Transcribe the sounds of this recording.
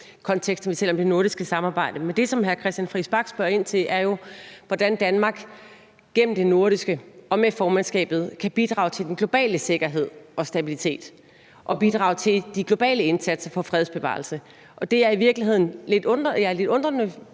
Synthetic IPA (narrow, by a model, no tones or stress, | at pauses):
kʰɒ̽nt͡sʰeɡ̥sd̥sɒʋisʰel̰ɒ̽md̥e̝no̝ɐɾisɡ̥əsɑ̈mɑ̈ːb̥ɑ̈ɪ̰d̥əmend̥e̝sɒ̽mɦækʰʁɛsd̥jænfʁisb̥ɑ̈ɡ̥sb̥ɶɐ̰e̝n̰t͡sʰe̝lʔæɐjo̝ʋɒd̥ænd̥ænmɑ̈ːɡ̥ | ɡ̥em̰m̩d̥e̝no̝ɐɾisɡ̥əʔɒ̽mefɒːmænsɡ̥ɛ̰ːb̥ð̞̩ˠkʰæb̥id̥ʁɑ̰̈ːʊt͡sʰe̝ldenɡ̥lo̝b̥ɛ̰ːləse̝ɡ̥ɐɦe̝ð̞̰ˠɒ̽sd̥æb̥ilit͡sʰe̝̰ːd̥ | ʔɒ̽b̥id̥ʁɑ̈ːʊt͡sʰe̝ld̥iɡ̥lo̝b̥ɛ̰ːləe̝nsæd̥sɐfɒ̽fʁɛðˠsb̥e̝ʋɑ̰̈ːlsə | ʔɒ̽d̥e̝æɐiʋiɐɡ̥liɦe̝ð̞̰ˠn̩le̝d̥ɔ̥jæle̝d̥ɔ̽nd̥ʁɐnə